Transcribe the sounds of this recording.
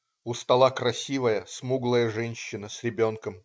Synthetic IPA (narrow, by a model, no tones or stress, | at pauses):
ʊst̪ɐlˠakɾɐsʲivəjəsmuɡlˠəjəʐɛnʲɕːɪnəsʲɾʲɪbʲo̞nkəm